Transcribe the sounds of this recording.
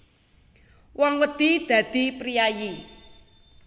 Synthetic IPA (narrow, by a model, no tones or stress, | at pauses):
wʔɔŋwəd̪̥id̪̥ä̤d̪̥i̤pɾijaji